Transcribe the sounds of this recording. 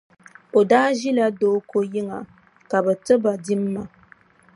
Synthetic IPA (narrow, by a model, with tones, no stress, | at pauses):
o˨daː˦ʒi˦la˨doː˦ko˦ji˦ŋa̰˨ | ka˨bɛ˨tɨ˦ba˨di˦mː˦a˨